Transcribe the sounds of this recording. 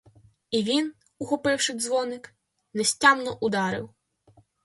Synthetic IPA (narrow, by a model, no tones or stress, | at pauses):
iʋʲin | uxɔpɪwʃɪzʋɔnɪk | nɛsʲtʲɑmnɔʔʊd̪ɑɾɪ̰w